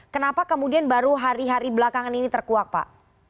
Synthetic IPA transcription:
kənapakəmudianbaɾuɦaɾiɦaɾibəlakaŋaninit̪ərkuak̚pa̰ʔ

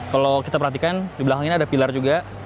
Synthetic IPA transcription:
kalokit̪apərɦat̪ikandibəlakaŋinadapilard͡ʒuɡa

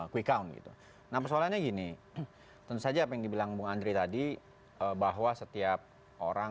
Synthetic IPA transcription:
kwikaunɡḭt̪ṵ | nahpərsoalanɲaɡini | t̪ənt̪usad͡ʒaːpajaŋdibilaŋbuŋandɾet̪adi | əbaɦwasət̪iap̚ | ʔo̰ɾa

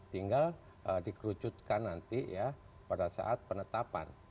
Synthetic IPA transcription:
t̪iŋɡal | ədikɾut͡ʃut̪̚kanːant̪ija | padasa̰ʔat̪̚pənət̪apa̰n

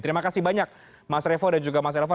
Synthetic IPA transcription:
t̪əɾimakasibaɲak̚ | masɾefɔdand͡ʒuɡamas̬ɾefɔ

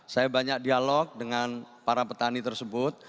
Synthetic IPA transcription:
sajabaɲak̚dialɔk̚dəŋanpaɾapət̪anit̪ərsəbʊt̪̚

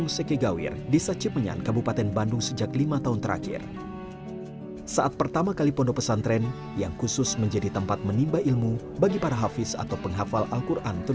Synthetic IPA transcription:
ŋsɛkeɡawɪ̰rdisat͡ʃipəɲa̰nkabupat̪ɛnbandʊŋsəd͡ʒaklimat̪aɦunt̪əɾʔa̰kɪ̰r | saʔat̪̚pərt̪amakalipɔndopəsant̪ɾɛn | jaŋkusʊsməɲd͡ʒadit̪əmpat̪̚mənimbaʔilmu | baɡipaɾaɦafɪsa̰t̪awpəŋɦafalʔalkurʔant̪u

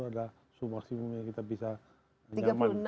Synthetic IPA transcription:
uada | sumaksimumjaŋkit̪abisa | iaɡapman

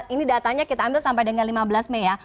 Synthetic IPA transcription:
inidat̪aɲakit̪aːmbɪlsampajdəŋanlimabəlasmɛja

